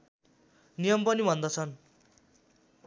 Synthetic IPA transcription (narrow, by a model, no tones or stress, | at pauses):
nijʌmpʌnibʱʌnd̪ʌt͡sʰʌn